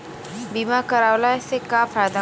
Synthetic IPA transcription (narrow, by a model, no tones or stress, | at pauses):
biːmakəɾaːwlaesekafaːjd̪a